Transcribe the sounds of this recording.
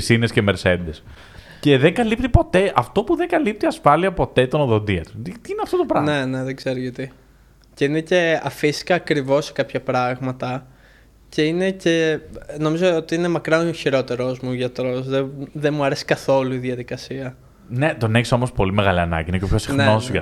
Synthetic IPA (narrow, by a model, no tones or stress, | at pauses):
isinescemeɾsend̪es | ce̞ðeŋɡɐlip̚t̪ipo̞t̪e̞ʔɐft̪o̞puðe̞ŋɡɐlip̚t̪iɐsfɐliɐpo̞t̪e̞t̪onoðo̞nd̪iɐt̪u̥t̪it̪iineɐft̪ot̪opɾɐne̞neðeɡz̥e̞ɾoʝɐt̪i | ce̞inece̞ɐfisi̥kɐːkɾivo̞se̥kɐpçɐpɾɐɣmɐt̪ɐ | ce̞ine̞ce̞no̞mizoot̪iine̞mɐkɾɐçiɾo̞t̪e̞ɾo̞zmuʝɐt̪ɾo̞sðeðemuɐɾesi̥kɐθo̞luiðjɐðikɐsiɐ | ne̞t̪o̞neçso̞mo̞spo̞limeɣɐliɐnɐ̰ɟinecopçosixnosʝɐ